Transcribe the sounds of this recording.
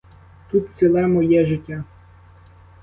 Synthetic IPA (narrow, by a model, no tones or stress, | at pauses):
t̪ut̪̚t͡s̪ʲilˠɛmɔjɛʒɪtʲːa